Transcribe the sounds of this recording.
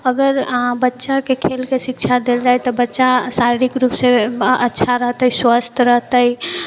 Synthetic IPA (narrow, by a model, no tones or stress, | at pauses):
əɡəɾbətːʃakekʰelkesikt͡ʃʰad̪eld͡ʒajt̪ɔbətːʃasaɾiɾikɾupsẽətːʃʰaɾəɦt̪əjswəst̪ʰɾəɦt̪əi